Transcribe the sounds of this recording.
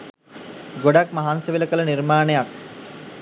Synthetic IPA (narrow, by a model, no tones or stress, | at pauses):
ɡoɖakmaɦanseʋiləkələniɾmaːnejak̚